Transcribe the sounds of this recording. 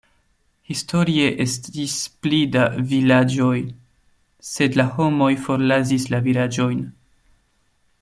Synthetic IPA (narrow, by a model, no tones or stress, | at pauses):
histʰo̞ɾie̞ʔe̞stisplidavilad͡ʒo̞j | se̞dlaho̞mo̞jfo̞ɾlazislavilad͡ʒo̞jn